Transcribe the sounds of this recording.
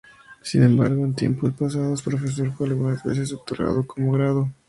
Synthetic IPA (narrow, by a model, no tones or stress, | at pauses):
sinẽ̞mba̰ɾɣoent̪jḛmpospas̬aðospɾo̞fes̬oɾfoalɣunazβe̞̰s̬e̞s̬ot̪oɾɣa̰ðo̞ko̞moɣɾaðo̞